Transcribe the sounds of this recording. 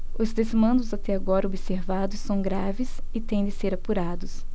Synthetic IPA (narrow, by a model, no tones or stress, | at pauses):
ʊzd̪ezmɐ̃nd̪ʊzat̪ɛaɡɔɾɐobɪseɾvad̪ʊsːɐ̃w̃ɡɾavɪsɪt̪ẽj̃d̪ɪseɾapuɾad̪ʊs